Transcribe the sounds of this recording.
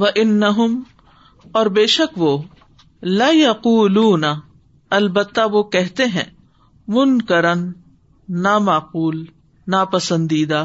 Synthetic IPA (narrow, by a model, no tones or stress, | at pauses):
ʋɐʔɪnːɐɦʊm | ɔːɾbeːʃɐkʋoː | lajɐquːluːnɐ | ɐlbət̪ːaʋokɛɦt̪eɦɛ̰̃ː | mʊnkɐɾənː | amaːquːl | napɐsə̃nd̪iːd̪aː